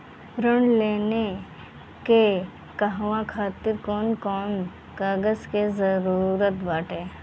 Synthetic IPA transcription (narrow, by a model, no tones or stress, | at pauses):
ɾəɳleːne | ke | kəɦʋãkʰaːt̪ɪɾkɔːnkɔːn | kaːɡəskezəɾuːɾət̪baːʈeː